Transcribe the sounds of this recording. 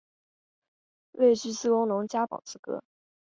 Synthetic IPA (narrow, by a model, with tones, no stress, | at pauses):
we˥˧ɪʈ͡ʂ̩˥˧sɹ̩˥wʊ˥ŋnʊ˧˥ŋt͡ɕja˥pɑ̰˨˩ʊt͡sɹ̩˥kɤ̰˥